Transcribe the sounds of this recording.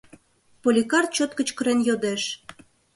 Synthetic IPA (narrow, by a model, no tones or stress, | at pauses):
polʲikɑrt̪̚t͡ɕot̪̚kə̆t͡ɕkə̆ɾenjod̪eʃ